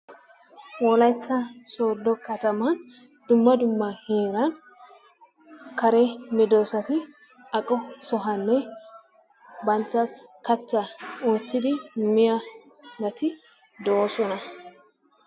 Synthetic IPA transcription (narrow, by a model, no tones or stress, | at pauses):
wɔlɐjt͡sːɐsoːd̪ɔkɐt̪ɐmaːn | d̪̥ʊmːɐd̪ʊmːahe̞ːɾan | kɐɾeːmɪd̪o̞ːsɐt̪ɪ | ɐkʼɔsɔɦɐnːɛ | bɐnt̪ːɐskɐt͡sːɐoːt͡sːɪd̪ɪmɪja | ɡɐt̪ɪ | d̪oːsɔnɐ